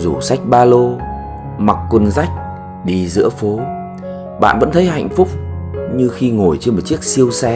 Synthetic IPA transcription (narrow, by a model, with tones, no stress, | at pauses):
zu˨˩sa˦˥jk̟̚ɓaː˧lo˧ | ma˨˩kkːwə˧nza˦˥jk̚ | ɗi˧zɨ̰˧˥əfo˨˦ | ɓa̰ː˧˨nvə̰˧˥nt̪ʰjha̰˧˨jŋ̟fʊ˦˥k͡p̚ɲɨ˧xi˧ŋo˨˩jt͡ɕe˧nm˨˩t̚t͡ɕi˦˥ək̚si˧əwsɛ˧